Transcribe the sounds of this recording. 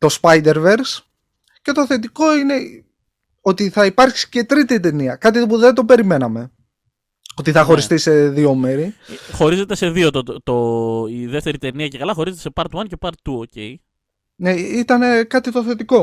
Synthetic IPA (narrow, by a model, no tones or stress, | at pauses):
t̪ospɐjd̪e̞ɾve̞ɾs | ce̞t̪oθet̪iko̞ine̞ | o̞t̪iθɐipɐɾksi̥ce̞t̪ɾit̪it̪eniɐkɐt̪̬ipuðe̞nt̪o̞pe̞ɾime̞nɐme̞ | ot̪iθɐxo̞ɾist̪ise̞ðio̞me̞ɾixo̞ɾize̞t̪e̞se̞ðio̞t̪ot̪oiðeft̪e̞ɾit̪e̞niɐcekɐlɐxo̞ɾize̞t̪esepɐɾt̪wɐnce̞pɐɾt̪t̪uocej | ne̞it̪ɐne̞kɐt̪it̪oθe̞t̪iko̞